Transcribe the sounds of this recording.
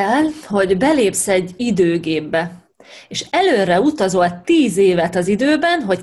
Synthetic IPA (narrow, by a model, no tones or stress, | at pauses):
ɛlho̞ɟbɛleːpsɛɟːid̪øːɡeːbːɛ | eːʃɛløːrɛut̪ɒzo̞lt̪iːzeːvɛt̪ɒzid̪øːbɛnɦo̞c